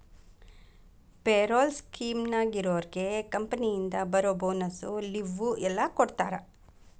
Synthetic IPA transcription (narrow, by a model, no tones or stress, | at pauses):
peːɾoːlskiːmnaːɡiɾoːɐɾiɡe̞kɐmpɐnijind̪ɐbɐɾoːboːnɐsuliʋːuɛlːɐkoɽt̪aːɾɐ